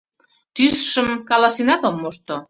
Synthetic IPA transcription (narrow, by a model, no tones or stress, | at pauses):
t̪ysʃəmkɑlɑsinɑt̪omːoʃt̪o